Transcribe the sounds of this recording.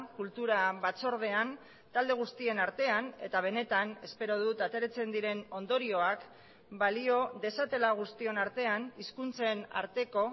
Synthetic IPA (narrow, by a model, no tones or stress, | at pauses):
kult̪uɾaβat͡so̞ɾð̞e̞an | t̪ald̪e̞ɣ̞ust̪ie̞naɾt̪e̞ane̞̰t̪aβ̞e̞ne̞t̪ane̞spe̞ɾo̞ðut̪at̪e̞ɾet͡se̞nd̪iɾe̞no̞nd̪o̞ɾio̞ak | balio̞ðe̞sat̪e̞laɣ̞ust̪ie̞naɾt̪e̞aniskunt͡se̞na̰ɾt̪e̞ko̞